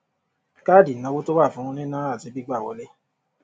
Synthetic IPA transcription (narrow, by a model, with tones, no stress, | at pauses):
ka˦˨di˨nã˧wo˦to˦wa˦˨fũ˨˦ɾũ˧nĩ˦nãː˦a˦˨zi˨˦bi˦ɡ͡ba˦˨wɔ̰˨˦le˦